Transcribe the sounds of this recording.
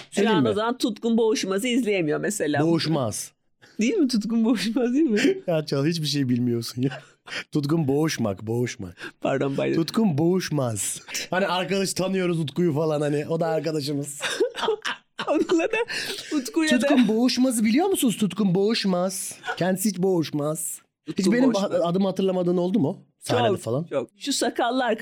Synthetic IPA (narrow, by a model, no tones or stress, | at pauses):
seimmozamant̪ʰut̪kunbo̞uʃmazɯizlʲejemijo̞mese̞lʲaːbo̞uʃmaz̥ | d̪ejilʲmit̪ʰut̪kunbouʃmazilʲmiat͡ʃʰalˠhit͡ʃbiʃ̬e̞jbilʲmijo̞ɾsunja | t̪ʰut̪kunbo̞uʃma̰kbo̞uʃma̰kpʰa̰ɾd̪onba̰jt̪ʰut̪kʰunbo̞uʃmaz̥haniaɾkad̪aʃt̪ʰanɯjo̞ɾuzut̪kujufalˠanhanɪʔo̞d̪aːɾkad̪aʃ̬ɯmɯz̥ | onˠad̪ɛut̪kuj̪ʰut̪kumbo̞uʃmazɯbilʲijo̞ɾmusunuzt̪ʰut̪kumbo̞uʃmaz̥cʰɛnd̪isihit͡ʃbo̞uʃmaz̥ | hit͡ʃbe̞nimaad̪ɯmhat̪ɯɾlˠamad̪ɯːno̞lˠd̪umu | saaneɛfalˠant͡ʃok̚ʃusakalˠːaɾ